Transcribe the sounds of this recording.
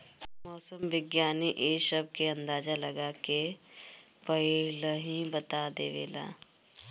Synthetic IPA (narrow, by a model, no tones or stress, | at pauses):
mɔːsəmʋɪɡjaːniʔeːʃəb̚keɐ̃nd̪aːd͡ʒalɐɡaːke | pəilɦĩbət̪ad̪eːʋḛːla̰ː